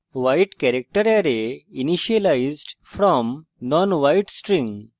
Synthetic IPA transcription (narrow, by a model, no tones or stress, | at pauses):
ʋajʈkɛɾek̚ʈəɾɛɾeiniʃiəlaizɖfɾɔmnɔ̃nʋajʈsʈɾĩŋ